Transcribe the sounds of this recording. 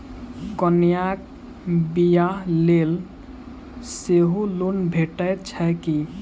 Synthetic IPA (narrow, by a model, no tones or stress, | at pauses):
kɔnijak̚ | bijalel | seɦulunbʱeʈəjt͡ʃʰəki